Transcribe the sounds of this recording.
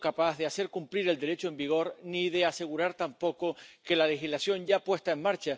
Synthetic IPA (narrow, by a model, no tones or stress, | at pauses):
kapaðease̞ɾkumpliɾe̞ld̪e̞ɾe̞t͡ʃoe̞mbiɣ̞o̞ɾniðe̞ase̞ɣ̞uɾaɾt̪ampo̞ko̞ke̞lale̞xizlasjo̞ɲɟ͡ʝapwe̞st̪ae̞ŋmaɾt͡ʃa